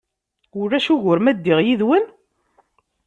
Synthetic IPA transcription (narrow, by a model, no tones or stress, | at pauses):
ʊɾːæʃuʝʊɾmæd̪ːiʁjiðwən